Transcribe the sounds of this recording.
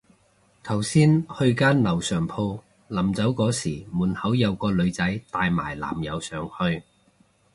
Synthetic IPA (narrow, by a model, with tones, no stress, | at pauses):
t̪ʰɐ˨˩wsiː˥nhɵ˧ɥkaː˥nlɐ˨˩wsœː˨˩ŋpʰo˧w | lɐ˨˩mt͡sɐ˨˥wkɔː˨˥siː˨˩muː˨˩nhɐ˨˥wjɐ˨˧wkɔː˧lɵ˨˧ɥt͡sɐ˨˥jt̪aː˧jma̰ː˨˩jla̰ː˨˩mjɐ˨˧wsœː˨ŋhɵ˧ɥ